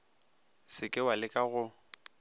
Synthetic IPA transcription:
sɪkʼɪwalɪkʼaɣʊ

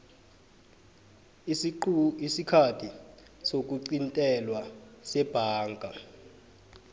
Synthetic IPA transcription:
isikʰatʰi | sok̬uǀintʼɛlwasɛb̥ʱaːŋɡʱa

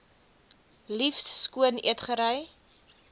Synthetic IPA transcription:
lifsːkuənḭətχəɾəj

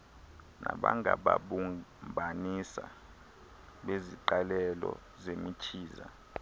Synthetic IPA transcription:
naɓaŋaɓaɓumbʱanisa | ɓeziǃalɛlɔ | zemit͡ʃʰiːza

